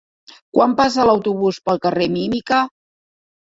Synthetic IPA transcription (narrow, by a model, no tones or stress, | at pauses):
kwampas̬ələwt̪uβuspəlˠkəremimikə